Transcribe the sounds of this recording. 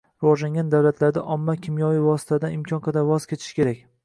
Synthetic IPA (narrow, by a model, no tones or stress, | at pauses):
ɾɪvɒʒlaŋɡʲand̪awlat̪ʰlaɾd̪aʔɒmːakʲʰɪmjɒvijvɒsɪ̥t̪ʰad̪anɪmkʲʰɒnqʰɑd̪aɾvɒz̥kʲe̞t͡ʃ̪ʰɪ̥ʃkʲʰe̞ɾakʲ